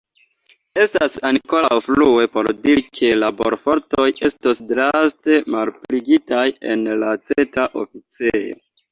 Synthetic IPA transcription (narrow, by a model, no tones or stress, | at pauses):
e̞stasaŋko̞wflue̞po̞̰ɾdiɾikʰe̞labo̞̰ɾfo̞ɾto̞je̞stosdɾaste̞malpliɡitaje̞nlat͡setaʔo̞̰fit͡sejo̰